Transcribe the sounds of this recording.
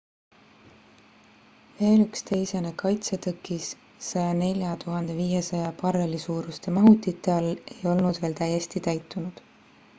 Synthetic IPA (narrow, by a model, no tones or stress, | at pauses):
ve̞ːlykst̪e̞jsenekɑjt̪set̪ɤkːˑisː | ɑjɑne̞lʲjɑt̪uɦɑnd̪e̞viːje̞sɑjɑpɑrelisuːɾust̪e̞mɑɦut̪ːˑit̪ːˑe̞ɑlːe̞jo̞lnud̪̥ve̞ːlt̪æje̞st̪it̪æjt̪ˑːunud̪̥